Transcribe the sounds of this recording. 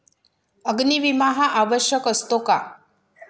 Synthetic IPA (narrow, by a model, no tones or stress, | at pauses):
əɡniʋimaɦaʔaʋəɕjəkəst̪oka